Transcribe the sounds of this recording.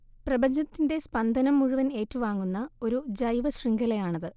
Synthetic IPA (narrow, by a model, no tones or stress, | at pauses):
prɐbɐɲd͡ʑɐt̪ːinde̞spɐnd̪ʱɐnɐmːuɻuʋɐne̞ːtːuʋaːŋːunːɐo̞ɾud͡ʑɐjʋɐɕriŋɡɐlɐjaːɳɐðɨ